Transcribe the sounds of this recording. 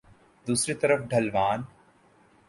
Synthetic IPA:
d̪uːsɾit̪ɐɾəfɖʱɐlʋaːn

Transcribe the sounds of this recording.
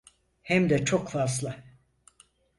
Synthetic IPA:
hɛmd̪ɛt͡ʃʰokfas̬lˠɯ

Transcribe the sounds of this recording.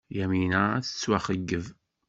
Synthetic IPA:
jæminəθə̥t͡sːwæχəɡːəv

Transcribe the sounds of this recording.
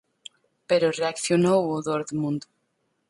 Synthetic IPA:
peɾoreakθjonooðoɾðmũnd̪

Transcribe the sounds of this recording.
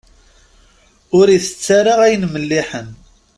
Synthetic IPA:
ʊɾiθə̥t͡sːaɾaʁæjənməlːiħən

